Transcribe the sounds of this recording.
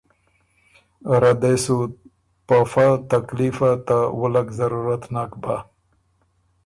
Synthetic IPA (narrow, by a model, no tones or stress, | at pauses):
ɾad̪esu | pafat̪aklifat̪awʊlakzaɾuɾat̪naːkba